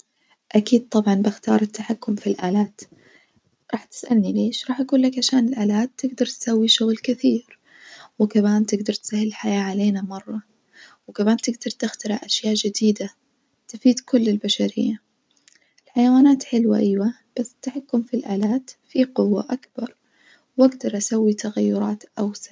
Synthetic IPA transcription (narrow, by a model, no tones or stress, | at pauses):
ʔakiːd̪̚t̪ˤɑbʕɑnbɪxt̪ɑ̰ːɾˤɪt̪ːaħakːʊmfilʔaːlaːt̪ | ɾˤɑːħt̪ɪ̥sʔa̰lnileːʃɾˤɑːħʔaɡuːlːakʕaʃaːnɪlʔaːlaːt̪ːɪɡd̪ɑɾˤt̪ɪ̥sawːiʃʊɣlkɪθiːɾ | wɪkamaːnt̪ɪɡd̪ɑɾˤt̪sahːɪlɪlħajaːʕaleːnamɑrˤːɑ | wɪkamaːnt̪ɪɡd̪ɑɾˤt̪ɪxt̪ɑɾˤaʔaʃjaːʔʒɪd̪iːd̪a | t̪ɪfiːd̪kʊlːɪlbaʃaɾɪ̰jːa | ɪlħajawaːnaːt̪ħɪlwa̰ʔɪːwa | b̥asːɪ̥t̪ːaħakːʊmfilʔaːlaːt̪fiqʊwːa̰ʔakb̥ɑɾˤ | wʔaɡd̪ɑɾˤʔasawːit̪ʰaɣajːʊɾˤɑːt̪ʔawsḁ